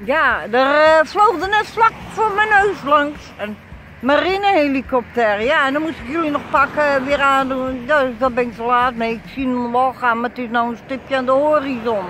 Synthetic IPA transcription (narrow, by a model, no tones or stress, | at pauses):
jadərflowxdənɛtflakfomɛnøːslɑŋs | ɛn | marinəhelikɔp̚tɛrəjaɛndɔnmustɪkjølˠinɔxpakəʋɪəraːnduddɔt̚bɪnɪksolaːtneɪksinmʋɔlˠxaːnmaətɪsnowənstɪpjəandəhorizɔn